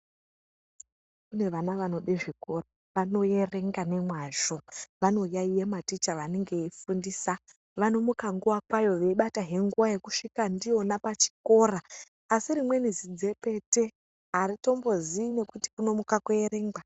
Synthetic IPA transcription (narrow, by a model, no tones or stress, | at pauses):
kune̞ʋanaʋano̞ɗeʐiko̞ra | ʋano̞je̞re̞ŋɡane̞mwaʒoʋano̞jaijematit͡ʃaʋaneŋɡe̞ifundiːsa | ʋano̞mukaŋɡuʋakwajo̞ʋe̞iɓataɦe̞ŋɡuʋaje̞kuʂikandio̞napat͡ʃi̥ko̞raː | siɾimwe̞nizid͡ze̞pe̞te̞ | ɦaɾito̞mbo̞ziːne̞kuti̥kuno̞mukakuje̞ɾe̞ŋɡa